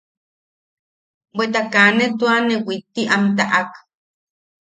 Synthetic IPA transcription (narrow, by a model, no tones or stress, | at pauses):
wet̪akanet̪uanewit̪ːiʔamt̪̬aʔak